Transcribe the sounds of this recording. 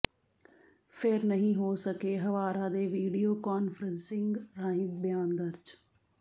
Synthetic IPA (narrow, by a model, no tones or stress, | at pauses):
pʰɪɾnəɦĩːɦoːsəkeːɦəʋaːɾaːd̪eːʋiːɖioːkaːnfʰəɾə̃nsɪ̃ŋɡɾaːɪ̃t̪̚bjaːnd̪əɾd͡ʒ